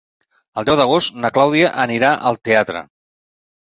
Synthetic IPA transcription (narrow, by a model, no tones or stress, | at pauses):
əlˠd̪ɛwd̪əɣ̞ost̪nəklawðiəʔəniɾaʔəlˠt̪eat̪ɾə̰